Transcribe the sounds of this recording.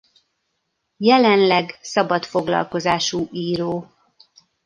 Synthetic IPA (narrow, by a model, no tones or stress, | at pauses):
jɛlɛnlɛɡsɒbɒt̪fo̞ɡlɒ̰lko̞zaːʃuːʔiːɾoː